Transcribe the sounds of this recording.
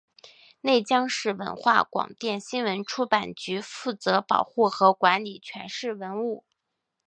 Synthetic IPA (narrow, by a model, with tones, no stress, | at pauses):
ne˥˩ɪt͡ɕjɑ˥ŋʂɻ̩˥˩wə̰˧˥nxwa̰˥˩kwɑ̰˨˩ŋt̪jɛ˥˩nɕi˥nwə˧˥nʈ͡ʂʰu˥pa˨˩nt͡ɕy˧˥fu˥˩t͡sɤ˧˥pɑ̰˨˩ʊxu˥˩xɤ˧˥kwa˧˥nli˨˩t͡ɕʰɥɛ˧˥nʂɻ̩˥˩wə˧˥nu˥˩